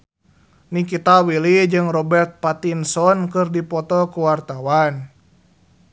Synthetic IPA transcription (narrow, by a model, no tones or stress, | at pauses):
nikit̪awilid͡ʒɨŋrɔbɛrt̪̚pat̪insɔnkɨrdipɔt̪ɔkuwart̪awan